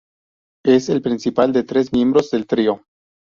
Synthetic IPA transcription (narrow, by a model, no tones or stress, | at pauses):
eselpɾinsipald̪e̞t̪ɾe̞s̬mje̞mbɾo̞zd̪e̞lt̪ɾio